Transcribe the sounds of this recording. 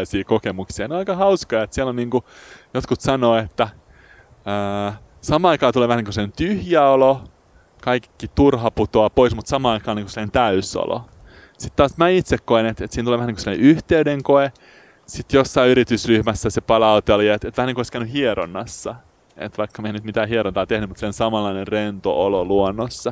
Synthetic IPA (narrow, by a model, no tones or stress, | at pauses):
siːkokemuksiɑneoɑikɑhɑuskɑjɑet̪sielonniːŋkujot̪kut̪sɑnoːet̪ːæ | əː | sɑmɑːɑikɑːt̪uleːʋæhæniŋkusnent̪yhjæolo | kɑikkːit̪urɦɑput̪oɑpoismut̪sɑmɑːɑikɑːniːŋkusilːnent̪æyso̰lo̰ | sit̪tɑːsmæit̪sekkoenet̪et̪siːnuleːʋæniŋkusilːɑnḛyht̪eydeŋkoe | sit̪josːɑiyɾit̪ysryhmæsːæsepɑlɑut̪eljɑet̪et̪ʋæhæniŋkoiskæynyhieɾonːɑsːɑ | ḛt̪ʋɑikːɑmeinyt̪mit̪æːhieɾont̪ɑːt̪ehnymut̪sensɑmɑlːɑinerrent̪o̰ololuonːosːɑ